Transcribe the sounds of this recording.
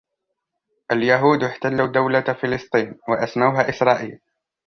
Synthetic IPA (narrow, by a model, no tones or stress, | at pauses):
ʔaljaɦuːd̪ɪħt̪alːad̪awlafɪlɨsˤt̪ˤiːnwaʔasmaʊɦaːʔɪsɾˤɑːʔiːl